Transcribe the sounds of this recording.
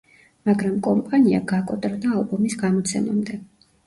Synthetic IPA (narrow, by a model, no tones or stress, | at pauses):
maɡɾamkʼɔmpʼania̰ɡakʼɔt̪ʼɾɔd̪aːlˠbɔmisɡamɔt̪sʰɛ̰ma̰md̪ɛ